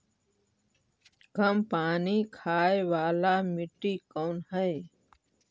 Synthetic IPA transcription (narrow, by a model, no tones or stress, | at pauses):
ɡʱəmpaːniːkʰaːeʋaːlaːmiʈiːkəwnɦəj